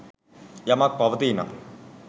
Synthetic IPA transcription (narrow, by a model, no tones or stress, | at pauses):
jɐmak̚pɐʋɐt̪iːna̰